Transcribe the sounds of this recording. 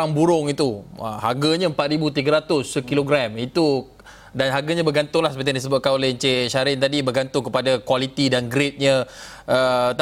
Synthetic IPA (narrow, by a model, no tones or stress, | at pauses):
aŋbuɾʊŋit̪uə̰ha̰ɡaɲəmpat̪̚ɾibut̪̬iɡəɾat̪ʊskiloɡɾɛmit̪u | danɦaɡaɲabəɡant̪ʊŋlasəpət̪̬iãndisəbʊt̪̚kanoleɲt͡ʃeʃaɾɪnt̪adibəɡant̪ʊŋkəpadakwalit̪idanɡɾɪt̪̚ɲə̃ət̪